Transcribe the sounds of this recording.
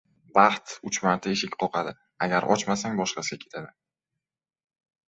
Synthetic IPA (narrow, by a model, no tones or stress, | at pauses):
bɑχt̪ʊt͡ʃmaɾt̪ʰaeʃɪkʲqʰɒqʰɑd̪ɪ | aɡʲaɾʔɒ̰t͡ʃmasaŋbɒʃqɑsɪɡʲakʲʰe̞t̪ʰad̪ɪ